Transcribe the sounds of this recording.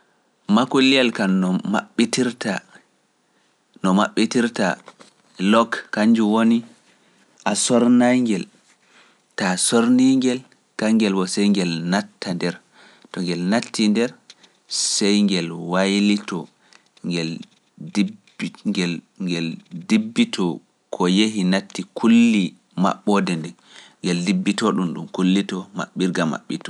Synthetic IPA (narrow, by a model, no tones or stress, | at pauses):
makulijalkaɔma̰ɓːitiɾta | nɔmaɓːitiɾta̰ | lɔkːaɲd͡ʒuwoni | ʔasɔɾnajŋɡɛl | tasoɾniŋɡɛl | kaŋɡɛlwɔsɛjŋɡɛlnatːandɛɾ | tɔŋɡɛlnatːindɛɾ | sɛjŋɡɛlwajlitɔ | ŋɡɛl | d | ŋɡɛl | ŋɡɛldibːitʰɔ | kʰɔjeɦinatːikʰulːi | ma̰ɓːɔdɛndɛn | ŋɡɛldibːitɔɗumɗumkulːitɔma̰ɓiɾɡama̰ɓːitɔ